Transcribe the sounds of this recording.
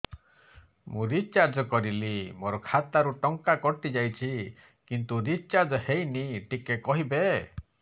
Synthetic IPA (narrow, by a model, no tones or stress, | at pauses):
mũɾit͡ʃaɾd͡ʒɔkɔɾilimoɾɔkʰat̪aɾuʈɔŋkakɔɾt̪id͡ʒajt͡ʃʰi | kint̪uɾit͡ʃaɾd͡ʒɔhejniʈikekɔɦibe